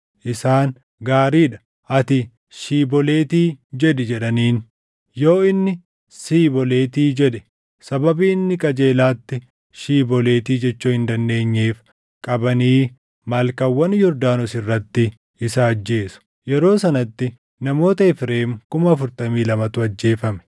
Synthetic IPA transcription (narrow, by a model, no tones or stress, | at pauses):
ʔɪsaːn | ɡaːɾiːᶑɐ̥ | ʔɐt̪ɪ | ʃiːbɔleːt̪iːd͡ʒɛᶑɛd͡ʒɛᶑɐniːn | joːɪnːɪ | siːbɔle̞ːt̪iːd͡ʒɛᶑɛ̥ | sɐbɐbiːnːɪkʼɐd͡ʒe̞ːlaːt̪ːɪ | ʃiːbɔle̞ːt̪iːd͡ʒɛt͡ʃːuːhɪnd̪ɐnd̪e̞ːɲːeːf | kʼɐbɐniː | mɐːlkɐwːɐnjɔɾd̪aːnɔsɪrːɐt̪ːɪ | ɪsɐːd͡ʒːe̞ːsʊ̥ | jɛɾo̞ːsɐnɐt̪ːɪ | nɐmo̞ːt̪ɐɪfɾe̞ːmkʊmɐːfʊɾt̪ɐmiːlɐmɐt̪ʊɐd͡ʒːe̞ːfɐmɛ̥